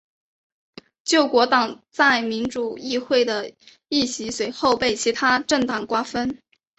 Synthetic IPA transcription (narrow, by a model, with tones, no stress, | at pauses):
t͡ɕjo˥˩ʊkwɔ˧˥t̪ɑ˨˩ŋ | t͡sa˥˩ɪmi˧˥nʈ͡ʂu˨˩i˥˧xwe˥˩ɪd̪ə˩ | i˥˩ɕi˧˥swe˧˥ɪxo˥˧ʊpe˥˩ɪt͡ɕʰi˧˥t̪ʰa˥ʈ͡ʂɤ˥˩ŋt̪ɑ˨˩ŋkwa˥fə˥n